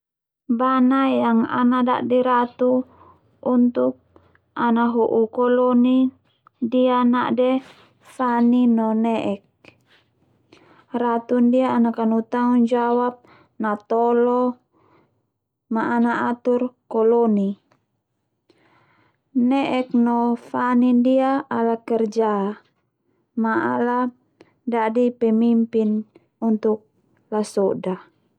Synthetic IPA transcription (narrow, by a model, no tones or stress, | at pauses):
banajaŋa̰nada̰ʔdiɾat̪u | unt̪uk̚ | anaɦuʔukɔlɔni | dianaʔdɛ | saninɔnɛʔɛk̚ | rat̪undiaːnakanut̪aŋund͡ʒawap̚ | nat̪ɔlɔ | maʔːnaʔat̪urkɔlɔni | nɛʔɛknɔfanindiaalakɛrd͡ʒa | maala | dadipɛmimpin | unt̪uk̚ | lasɔda